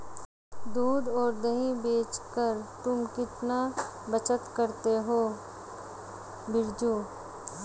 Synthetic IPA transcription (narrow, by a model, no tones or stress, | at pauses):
d̪uːd̪ɔːɾd̪ɐɦĩbeːt͡ʃkəɾt̪ʊmkɪt̪na | bɐt͡ʃət̪kɐɾt̪eɦoː | bɪɾd͡ʒuː